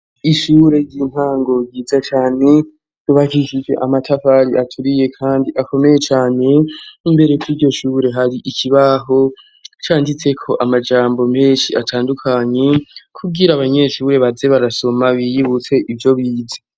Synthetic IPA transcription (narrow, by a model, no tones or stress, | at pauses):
iʃuːɾe̞ɟiːn̥haːŋɡo̞ɟiːzat͡ʃaːne̞ | juβakiʒid͡ʒe̞̰ʔamatʰafaɾiʔatʰuɾije̞kʰaːndiʔako̞me̞je̞t͡ʃaːne̞mbe̞ɾe̞kuiɾɟo̞ʃuːɾe̞ɦaɾiʔikʰiβaɦo̞ | t͡ʃaːndit͡se̞kʰo̞ʔamad͡ʒaːmbo̞me̞ːnʃiatʰaːndukʰaɲe̞kʰubɡiɾaːβaɲe̞ʃuːɾe̞βaze̞βaɾaso̞maβijiβut͡se̞ʔivjo̞βiːza